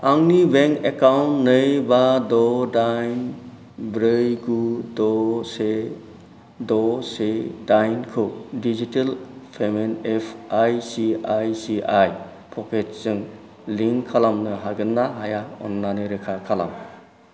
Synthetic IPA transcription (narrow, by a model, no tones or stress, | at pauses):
aŋnibeŋekawntnɯjbadɔdajn | bɾɯjɡudɔse | dɔsedajnkʰɯwdizitelpʰemenepʰajsiajsiaj | pʰɔket̚sɯŋ | liŋkʰːalamnɯɦaɡɯnːaɦajaɔ̰nːanɯɾɯkʰakʰala̰m